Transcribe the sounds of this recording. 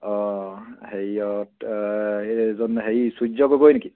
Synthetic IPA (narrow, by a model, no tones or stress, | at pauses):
ɔ | hejɔt | zɔnɦejsud͡ʒɔɡoɡojneki